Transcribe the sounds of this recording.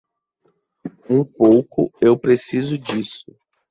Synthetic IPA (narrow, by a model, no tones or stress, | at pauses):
ũpowkʊ̰ewpɾesizʊd͡ʒisʊ